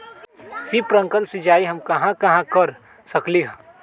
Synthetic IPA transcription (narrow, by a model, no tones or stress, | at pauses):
sipɾə̃ŋkəlsid͡ʒaːiɦɐmkɐɦãkɐɦãkɐɾ | sɐkliɦã